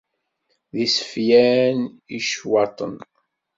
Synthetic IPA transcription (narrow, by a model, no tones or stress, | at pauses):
ðisə̥fjæniʃwɑt̪ˤən